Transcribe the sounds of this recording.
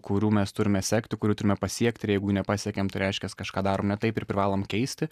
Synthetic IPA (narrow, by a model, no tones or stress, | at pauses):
kʊɾʲuːmʲɛst̪ʊɾʲɪmʲɛsʲæːkt̪ʲɪkʊɾʲuːt̪ʊɾʲɪmʲɛpɐsʲiɛkt̪ʲɪɾjɛɪɡʊjuːnʲɛpɑːsʲiɛkʲɛmt̪ɐɪɾʲɛɪʃʲkʲɛskɐʃkɑːd̪ɑːɾoːmnʲɛt̪ɐɪpɪɾpʲɾʲɪʋɑːlˠoːmkʲɛɪsʲt̪ʲɪ